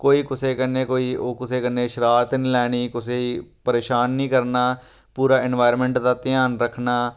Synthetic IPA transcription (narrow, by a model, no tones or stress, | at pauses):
koːiːkʊseːkənːeːkoːiːoːkʊseːkənːeːʃɪɾaːɾt̪niːlɛːɽ̃iːkʊseːiːpəɾeːʃaːnːĩːkəɾnaː | puːɾaːɪnʋaːɪɾmɛ̃ːɳʈd̪aːt̪ɪjaːnɾəkʰnaː